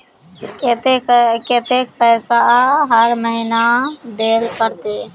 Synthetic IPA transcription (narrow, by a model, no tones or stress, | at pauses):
t̪eket̪ek̚pɛːsaɦəɾməɦɪnad̪eːlpəɾt̪eː